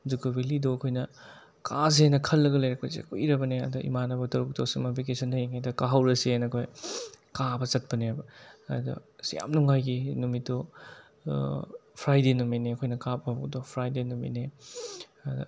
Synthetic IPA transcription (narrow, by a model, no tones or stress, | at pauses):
dukːuwilidoɐkʰojnɐ | kas̬ienɐkʰɐlːɐɡɐlɐjɾɐk̚pɐsḛkuiɾɐbɐneɐ̰dɔʔḭmanɐbɐtɐɾuk̚tosimɐpikesɐndɐjiŋajdɐkaɦɐwɾɐsienɐkʰojkabɐt͡ʃɐt̚pɐnebɐɐdɐ̰sja̰mnuŋajɡinumitdɔ | pʰɾajdenuminiɐkʰojnɐkap̚ɐbukdopʰɾajdenumḭne | ɐd̰